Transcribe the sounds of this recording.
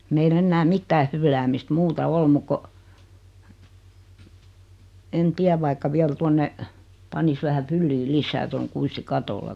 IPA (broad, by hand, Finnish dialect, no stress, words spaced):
meilː enːæː mitːæː hylːæːmist muːtɑ ol muk ko en tiæʋ ʋɑikːɑ ʋiæl tuonːe pɑnis ʋæhæ fylːi lisˑæː toŋ kuisti kɑtolːɑ